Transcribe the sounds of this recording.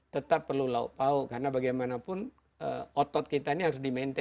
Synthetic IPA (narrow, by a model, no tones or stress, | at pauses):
t̪ət̪apːərlulaṵpaʊkarənabaɡajmanapʊn | ə̰ɔt̪ɔt̪̚kit̪ainiɦaɾʊsdimɛnt̪ɛ